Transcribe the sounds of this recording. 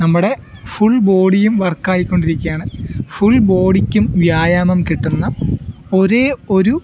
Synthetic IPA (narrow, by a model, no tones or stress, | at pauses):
nɐmːuɽe̞fuɭbo̞ːɽijumʋɐrkːaːjikʲːo̞ɳɖiɾikʲːujaːɳɨfuɭbo̞ːɽikʲːumʋjaːjaːmɐmkiʈːunːɐo̞ɾeːo̞ɾu